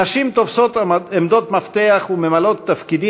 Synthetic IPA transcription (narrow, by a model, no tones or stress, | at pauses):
aʃimt̪ofso̞t̪emd̪o̞t̪maft̪eaχumemalo̞t̪ːafkid̪i